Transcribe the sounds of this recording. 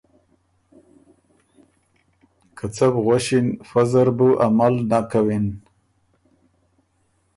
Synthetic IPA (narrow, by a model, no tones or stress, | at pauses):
kʰat͡sabɣwaʃinfazaɾbuʔamalnakawin